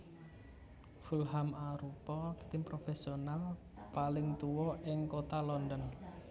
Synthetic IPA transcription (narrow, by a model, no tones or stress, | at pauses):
fulɦamaɾupɔkt̪ɪmpɾofesional | palɪŋt̪uwɔʔɪŋkot̪alɔndən